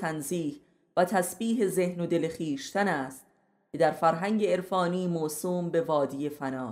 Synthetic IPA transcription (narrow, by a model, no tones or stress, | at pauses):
ænziːh | væt̪ʰæsbiːɦe̞zehnod̪e̞lexiːʃt̪ænæːst̪̚ | cʰe̞d̪æɾfæɾɦæŋɟe̞eɾfɒːniːmoːsuːmbe̞vɒːd̪iːje̞fænɒː